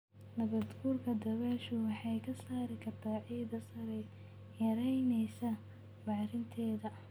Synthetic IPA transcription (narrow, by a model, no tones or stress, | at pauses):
nɐβɐd̪ɡuːrkʰɐd̪ɐβaːʃʊwɑħɑjkʰɐsaːɾɪkʰɐrt̪ʰaːʕiːd̪ɐsɐɾɛ | jɐɾɛjnɛjsɐ | bɑʕɾɪnt̪ʰɛːðɐ